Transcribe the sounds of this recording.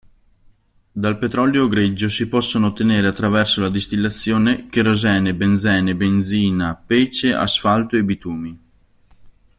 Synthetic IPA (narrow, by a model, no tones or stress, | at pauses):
d̪alpet̪ɾɔljoɡɾed͡ʒːosipɔsːonoːt̪ːeneːɾeat̪ːɾavɛrsolad̪ist̪ilːat̪sːjoːnek̟eɾozɛːnebend̪zɛːnebend̪ziːnapeːt͡ʃeʔa̰sfalt̪oebit̪uːmi